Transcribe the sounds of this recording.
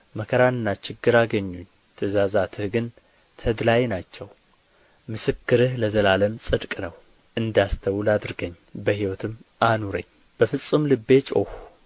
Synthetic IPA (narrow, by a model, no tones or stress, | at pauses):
məkʰəɾanɨnːat͡ʃɪɡːɨɾaɡəɲːuɲː | t̪ʰəzazat̪ʰɨhɡɨn | t̪ʰəd̪lajnat͡ʃːɛw | mɨsɨkːɨɾɨhləzəlaləmsʼɨd̪kʼnəw | ʔɨnd̪ast̪ʰəwlad̪ɾɨɡəɲːbəhiwɔt̪ʰɨmːanuɾə̰ɲː | b̥əfɨsʼɨmlɨbːe̞t͡ʃʼo̰hu